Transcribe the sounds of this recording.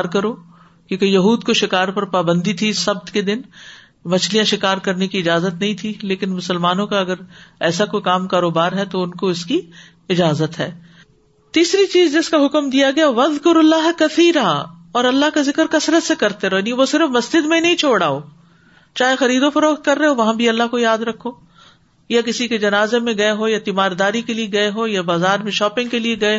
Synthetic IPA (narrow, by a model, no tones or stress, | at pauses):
ɾkɐɾoː | kjõːkejɐɦuːd̪koʃɪkaːɾpɐɾpaːbə̃nd̪it̪ʰisɐb̚t̪ked̪ɪn | mɐt͡ʃʰlijãʃɪkaːɾkɐɾnekiɪd͡ʒaːzət̪nɐɦĩt̪ʰileːkɪnmʊsəlmaːnõkaɐɡəɾɛːsakokaːmkaːɾoːbaːɾɦɛt̪oʊnkoɪski | ɪd͡ʒaːzət̪ɦɛː | t̪iːsɾit͡ʃiːzd͡ʒɪskaɦʊkəmd̪ijaɡɐjaʋɐðkʊɾɐlːaːɦkɐθiːɾaːɔːɾɐlːaɦkazɪkəɾkɐsɾət̪sekɐɾt̪eɾonieʋosɪɾəfmɐsd͡ʒɪd̪mẽnɐɦĩt͡ʃʰoːɽaːoː | t͡ʃaːɦexɐɾiːd̪ofɐɾoːxt̪kɐɾːeɦoʋɐɦãbʱiɐlːaɦkojaːd̪ɾɐkʰːoː | jakɪsiked͡ʒɐnaːzemẽɡɐeɦojat̪imaːɾd̪aːɾikelieɡɐeɦojabaːzaːɾmẽʃɔːpɪ̃ŋɡkelieɡɐe